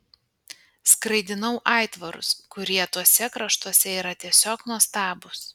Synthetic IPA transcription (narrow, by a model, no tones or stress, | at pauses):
skɾɐɪd̪ʲɪnɐʊʔɑˑɪt̪ʋɐɾʊ̰skʊɾʲiɛt̪uɔsʲɛkɾɐʃt̪uɔsʲɛiːɾɐt̪ʲiɛsʲoːknuɔst̪ɑːbʊs